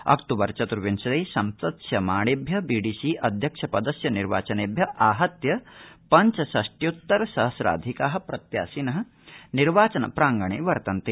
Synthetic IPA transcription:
ɐ̰kt̪uʋɐɾt͡ʃɐt̪uɾʋinsɐleːsɐmsɐt̪sjɐmaːɽeːbʱjɐbiːɖiːsiʔɐd̪ʱjɐkʂɐpɐd̪ɐsjɐniɾʋa̰ːt͡ʃɐneːbʱjɐʔaːɦɐt̪jɐpɐɲt͡ʃɐsɐʂʈjut̪ːɐɾɐsɐɦɐsɾa̰ːd̪ʱikaːɦɐ̆pɾɐt̪ja̰ːsinɐɦɐ̆ | niɾʋaːt͡ʃɐnɐ̰pɾaːŋɡɐɳḛːʋɐɾt̪ɐnt̪e

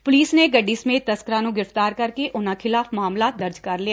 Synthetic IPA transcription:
pʊliːsneːɡəɖːiːsəmeːt̪ːəskɾãːnũːɡɪɾəft̪aːɾkəɾkeʔʊnãːkʰɪlaːfmaːmlaːt̪̚d̪əɾd͡ʒkəɾlɪaː

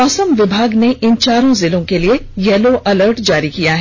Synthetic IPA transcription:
ɔːsəmʋɪbʱaːɡneʔɪnt͡ʃaːɾõzɪlõkeliejɛːloʔɐləɾʈd͡ʒaːɾikijaɦɛː

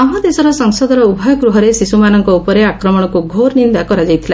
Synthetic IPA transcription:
ɔɦɔd̪esɔɾɔsɔŋsɔd̪ɔɾɔubʱɔjɔɡɾuɦɔɾesisumanɔŋkɔupɔɾeakɾɔmɔɽ̃ɔkuɡʱoɾnind̪akɔɾad͡ʒajt̪ʰila

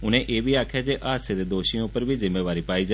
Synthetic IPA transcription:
ʊñẽːʔeːbʱiːaːkʰjaːd͡ʒeːʔaɦəsed̪eːd̪oːʃĩːʊpːəɾbʱiːzɪmːeːʋaːɾiːpaːiːd͡ʒa

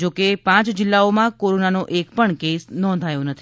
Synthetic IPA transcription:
d͡ʒokepãt͡ʃd͡ʒɪlːaomãkoɾonanoʔekpəɳkesnɔ̃nd̪ʱajõnət̪ʰi

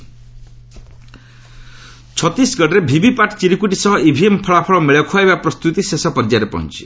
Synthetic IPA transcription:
t͡ʃʰɔt̪isɡɔʈɾebʱibipaʈʰt͡ʃiɾikuʈisɔɦɔibʱiempʰɔɭapʰɔɭɔmeɭjɔkʰuaebapɾɔst̪ut̪isesɔpɔɾd͡ʒaɾepɔ̰ɦṵ̃nt͡ʃʰi̥

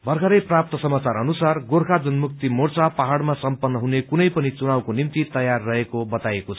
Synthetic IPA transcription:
bʱʌrɡʰʱʌɾʌjprap̚t̪ʌsʌmat͡saɾʌnusarɡorkʰad͡zʌnmuk̚t̪imort͡sapaɦaɽmasʌmpʌnːʌɦunekunʌjpʌnit͡sunawkonimt̪it̪ʌjarːʌɦekobʌt̪ajekot͡sʰʌ

